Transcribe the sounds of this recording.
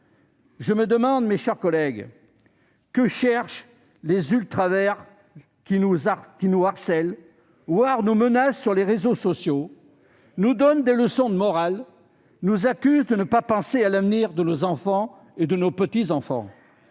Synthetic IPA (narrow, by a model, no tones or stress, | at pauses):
ʒəməd̪əmɑ̃d̪meʃɛʁkɔlɛɡ | kəʃɛʁʃ | lezylt̪χavɛʁ | kʲinuzkʲinuaʁsɛl | vwaʁnomənasːyʁleʁezosɔsjo | nud̪ɔnd̪eləsɔ̃d̪əmɔʁal | nuzakʲyzd̪ənəpapɑ̃sealavniʁd̪ənozɑ̃fɑ̃ | ed̪ənopət̪izɑ̃fɑ̰̃